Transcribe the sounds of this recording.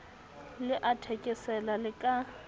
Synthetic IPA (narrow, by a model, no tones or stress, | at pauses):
lɪʔatʰekʼɪsɛlalɪkʼa